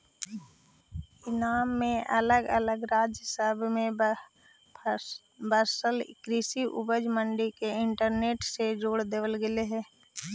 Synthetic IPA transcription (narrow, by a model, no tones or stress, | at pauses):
ɪnaːmːẽʔələɡə̰ləɡɾaːd͡ʒjəsəbʱmẽ | bəɾsəlɪ̰kɾiːsiʔʊ̰bəd͡ʒmə̃ɳɖikeɪɳʈəɾneːʈsed͡ʒoːɽd̪eʋəlɡɪleɦɛ̃ː